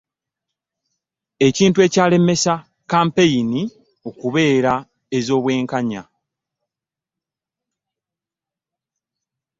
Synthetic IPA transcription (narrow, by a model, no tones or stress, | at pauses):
e̞ciːntue̞ːcaːle̞me̞sa | kaːmpe̞jini | o̞kuβe̞ːɾa | e̞zo̞ːβwe̞ːŋkaɲa̰